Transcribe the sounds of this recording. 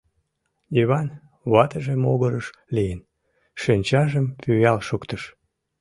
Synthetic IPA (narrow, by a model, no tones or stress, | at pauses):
iβɑn | βɑt̪əʒemoɣəɾəʃ | lijən | ʃinʲt͡ɕɑʒəmpyjɑlʃukt̪əʃ